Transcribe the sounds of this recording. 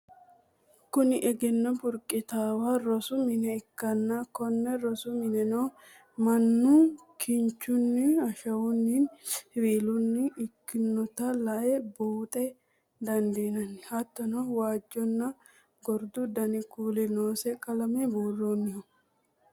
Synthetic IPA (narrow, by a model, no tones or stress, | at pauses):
kʊnɪʔɛɡɛnːɔbʊɾkʼːɪt̪aːwaɾɔsʊmɪnɛɪkːɐnːɐkɔnːɛɾɔsʊmɪnɛnoː | mɐnːu | kʰɪɲt͡ʃːʊnːɪɐʃɐwʊnːɪnhɪwiːlʊnːɪɪkːɪnːɔt̪ɐlɐʔɛboːt̪ʼɛ | d̪ɐnd̪inɐnːɪhɐt̪ːɔnowaːd͡ʒːɔnːɐ | ɡɔɾd̪ʊd̪ɐnɪkuːlɪnoːsɛkʼɐlɐmɛboːrːoːnːɪhɔ